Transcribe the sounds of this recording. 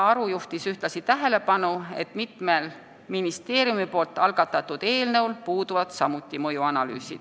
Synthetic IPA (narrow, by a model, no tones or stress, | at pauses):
ɑɾujuht̪isyht̪lɑsit̪æɦe̞le̞pɑnue̞̰t̪ˑmit̪me̞l | minist̪e̞ːɾjumipo̞ːlt̪ˑːɑlɡ̥ɑt̪ːˑɑt̪ːˑud̪̥e̞ːlnɤwlpuːd̪uvɑd̪̥sɑmut̪ːˑimɤjuɑnɑly̰ːsḭd̪̥